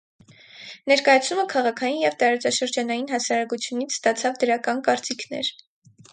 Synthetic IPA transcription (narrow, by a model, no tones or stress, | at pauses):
nɛɾkɑjɑt͡sʰnuməkʰɑʁɑkʰɑjinjɛvt̪ɑɾɑt͡sɑʃəɾd͡ʒɑnɑjin̪ɦɑsɑɾɑkut͡sʰjunit͡sʰst̪ɑt͡sʰɑvd̪əɾɑkɑnkɑɾt͡sikʰnɛ̰ɾ